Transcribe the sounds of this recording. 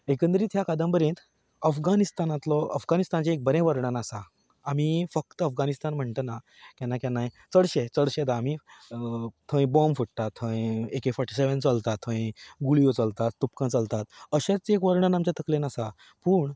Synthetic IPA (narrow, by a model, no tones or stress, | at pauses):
ekə̃nd̪ɾiːt̪ʰjakad̪ə̃mpəɾẽt̪ | əfɡanist̪anat̪lɔə̰fɡanist̪ant͡ɕaek̚bəɾẽʋəɾɳanasaː | mifək̚t̪əəfɡanist̪anm̤əɳt̪əna | kãnːakãnːaj | t͡səɽɕet͡səɽɕed̪aːmi | t̪ʰə̃j̃bɔmfəɽt̪at̪ʰːə̃ĩekefɔɾʈi̥seʋənt͡səlt̪at̪ʰːə̃ĩɡuɭijot͡səlt̪at̪ːup̚kãt͡səlt̪at̪əɕat͡sekʋəɾɳənamt͡ɕat̪əklenasa | puːɳ